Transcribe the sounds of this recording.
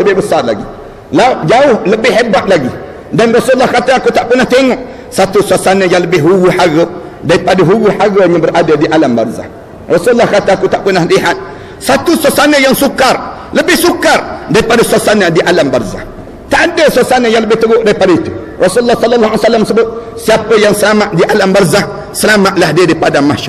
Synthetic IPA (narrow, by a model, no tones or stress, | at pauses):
ləbebəsala̰ɡi | lad͡ʒauhləbehebaʔlaɡi | danɾosulːahkatakutaʔpunateŋɔ | satusʷasanəjaŋləbehɦuɡuħaɣə | daipadəɦuɡuħaɡəɲəbəɾʔadədiʔalamba̰ɾza̰ | ɾosulːakatakutapunahdiɦat̚ | sat̪usosanəjaŋsukar | ləbɪhsukardaipadasasanadiʔalambarza̰h | t̪adəsasanəjaŋləbɪht̪əɡoʔdaipadait̪u | rɔsuulːɔhsɔlːɔlːɔasalːamsəbʊt̚siapəjaŋsəlamaʔdiʔalambarzah | səlamaʔlahdiədaipadamaʃa